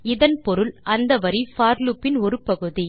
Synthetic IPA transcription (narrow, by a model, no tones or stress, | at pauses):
ɪðɐnpɔɾɯlɐnd̪ɐʋɐɾifaːɾlupːɪnɔɾɯpɐɣɯði